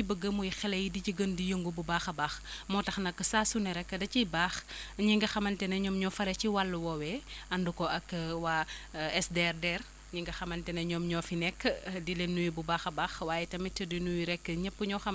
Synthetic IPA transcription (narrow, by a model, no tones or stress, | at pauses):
ibəɡəmujixɛlɐjidit͡ʃiɡəndijəŋɡububaːxɐbaxmɔtɐxnɐkːəsaːsunɐɾɛkːədɐcibaːxɲiŋɡɐxɐmɐntɛnɐɲɔːmɲɔfɐɾɛciwalːɐwɔwɛɐndukɔʔɐkːwaɛsdɛrdɛr | ɲiŋɡɐxɐmɐntɛnɐɲɔːmɲɔfinɛkːdilenːujibubaːxɐbaːxwaːjɛtɐmitədinujiɾɛkːəɲəpːuɲɔxɐm